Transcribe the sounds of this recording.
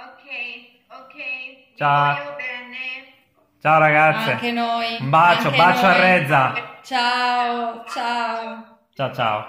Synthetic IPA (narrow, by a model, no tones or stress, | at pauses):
ok | k | t͡ʃa | t͡ʃaːoɾaɡat̪sːekenojmbat͡ʃːobat͡ʃːoarːɛd̪zːat͡ʃaot͡ʃao | t͡ʃaːot͡ʃa̰ːo